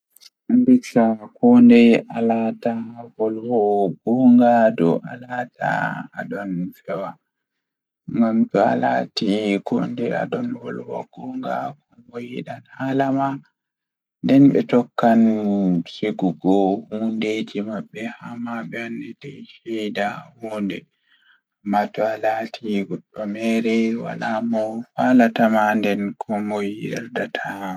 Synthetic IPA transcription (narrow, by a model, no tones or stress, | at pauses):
anbiksakɔndɛjalatahɔlwɔɡɔŋɡadɔ̰ʔalatʰa̰aɗɔnfɛwa | ŋŋɡamtɔa̰la̰tikʰɔ̰ndɛa̰ɗɔnwɔlwɔ̰ɡ̥ɔŋɡa̰kɔwojiɗanhalama | ndɛnɓɛ̰tɔkːansiɡuɡɔhunded͡ʒimaɓːɛhamaɓɛanːɛtajʃɛjdahɔndɛ | amːatualatʰiɡɔɗɔmɛɾɛwa̰lamɔfalatamandɛnkʰɔmɔjiɛɾdatʰa